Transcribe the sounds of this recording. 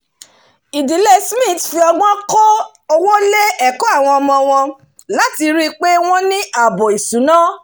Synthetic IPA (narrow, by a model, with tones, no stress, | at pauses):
i˨di˨˦le˦smĩ˦˨tfi˧ɔ˧ɡ͡bɔ̃˦kɔ˦ | ɔ˧wo˦le˦ɛ˦˨kɔ˦a˦˨w̃ɔ̃˧ɔ˧mɔ̃˧w̃ɔ̃˧ | la˦ti˧ɾi˦k͡pe˦w̃ɔ̃˦nĩ˦ʔa˨bo˨i˨sũ˨˦nãː˦